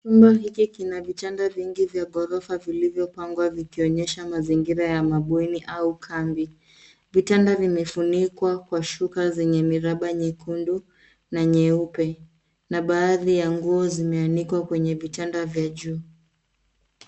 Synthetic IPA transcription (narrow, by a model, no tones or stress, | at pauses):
t͡ʃumbaɦikikinavitandaviŋɡivjaɠɔɾɔfavilivjɔpaŋɡwavikiɔɲɛʃamaziŋɡiɾajamaɓwiniʔaukʰambi | vitandavimɛfunikwakwaʃukazɛɲɛmiɾaɓaɲɛkundu | naɲɛupɛ | naɓaːðijaŋɡuɔzimɛanikwakwɛɲɛvitandavjaʄuː